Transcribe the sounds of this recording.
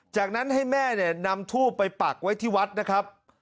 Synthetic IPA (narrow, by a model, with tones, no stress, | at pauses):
t͡ɕaː˨˩k̚na˦˥nɦa˥˩jmɛː˥˩ni˥˩ɐna˧mt̪ʰuː˥˩pːa˧jpa˨˩k̚wa˦˥jt̪ʰiː˥˩wa˦˥t̪̚na˦˥kʰɾa˦˥p̚